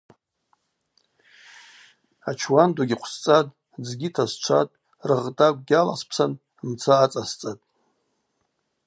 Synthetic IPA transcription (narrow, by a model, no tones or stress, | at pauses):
at͡ʃʰwanduɡʲiqʷʰst͡sʼatʼ | d͡zɡʲitʰazt͡ʃʷʰa̰tʼ | rɨʁtʼakʷʼɡʲala̰spʰsan | mt͡sʰaːt͡sʼast͡sʼatʼ